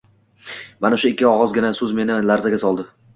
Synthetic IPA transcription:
manaʃʊɪkʲːɪɒʁɒzɡʲɪnasɵzme̞nɪlaɾzaɡʲasɒlˠd̪ɪ

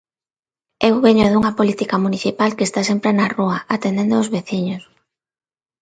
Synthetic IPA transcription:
ewβeɲoðuŋɐpolit̪ikamuniθipalkest̪asempɾenaruɐʔat̪end̪end̪oozβeθiɲos

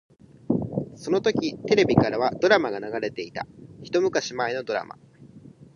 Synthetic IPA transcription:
so̞no̞t̪o̞kʲit̪e̞ɾe̞bʲikaɾaβad̪o̞ɾamaɡanaɡaɾe̞t̪e̞it̪a̰çi̥t̪o̞mɯ̟kaɕimaino̞d̪o̞ɾa̰ma̰

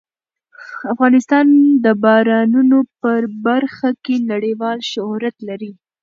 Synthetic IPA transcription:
afɣɑnɪst̪ɑnd̪əbɑɾɑnunopəɾbaɾxakenaɽiwɑlʃʊhɾat̪laɾi

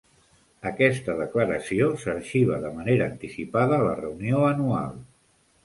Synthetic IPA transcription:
əkɛst̪əðəkləɾəsiosəɾʃiβ̞əðəməneɾəːnt̪isipaðəːlə̰rəunioənua̰lˠ

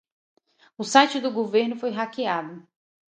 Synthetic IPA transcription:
ʊsajt͡ʃɪd̪ʊɡoveɾnʊfojɦakiad̪ʊ

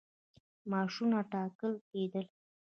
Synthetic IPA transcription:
mɑʂunaʈɑkəlked̪əl

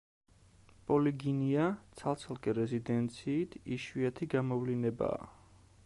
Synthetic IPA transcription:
pʼɔliɡiniat̪sʰalˠt̪sʰalˠkʼɛɾɛzid̪ɛnt̪sʰiːt̪ʰiʃwiat̪ʰiɡamɔvlinɛba̰ː

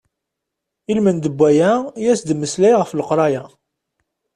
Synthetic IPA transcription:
ilmənd̪əbʷːæjæjæsd̪mːəslæjʁəfləqɾˤɑjæ

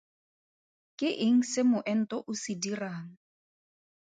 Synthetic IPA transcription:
kʼɪʔɪŋ̩sɪmʊʔɛn̩tʼɔʔʊsidiraːŋ̩

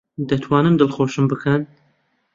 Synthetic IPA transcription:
d̪ɐt̪ʰwɑːnɨnd̪ɨlˠxoːʃɨmbɨkʰɐn

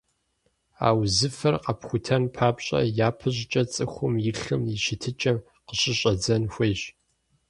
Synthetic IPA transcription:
a̰ːwzɨfɐrqɐpxʷʊtʰɐnpʰaːpɕʼɐ̰jaːpʰɨʑt͡ʃʼɐt͡sʼɨxʷʊmjɪɬɨmjɪʃɪtʰɨt͡ʃʼɐm | qəɕɪɕʼɐd͡zɐnxʷeːɕ

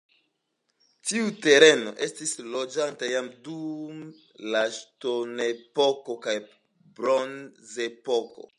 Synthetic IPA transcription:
tiute̞ɾe̞no̞̰ʔe̞stislo̞d͡ʒantajamdum | laʃtonepo̞ko̞kaj | bɾonzepoko̞̰

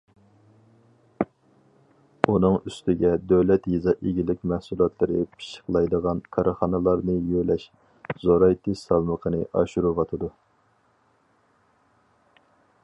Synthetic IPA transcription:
unɨŋyst̪ɪɡʲɛd̪øwlɛt̪jizɑʔeɡʲilɪkʲmæhsulˠɑt̪ʰlˠɨɾɨpʰi̥ʃə̥χlˠɑjd̪əʁɑnkʰɑɾɨχɑnɨlˠɑɾnɨjølɛʃ | zoɾɑjt̪ʰe̥ɑlˠməqʰənɨʔɑ̰ʃuɾuvɑt̪ʰɨd̪u

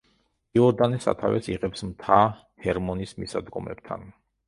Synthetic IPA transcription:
iɔɾd̪anisa̰t̪ʰavɛsiʁɛpsmt̪ʰa | hʰɛɾmɔnismisad̪ɡɔmɛ̰b̚t̪ʰa̰n

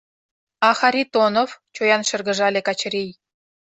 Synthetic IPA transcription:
ɑxɑɾʲit̪onoft͡ɕojɑnʃɤ̆rɣə̆ʒɑlʲekɑt͡ɕɤ̆ɾʲej

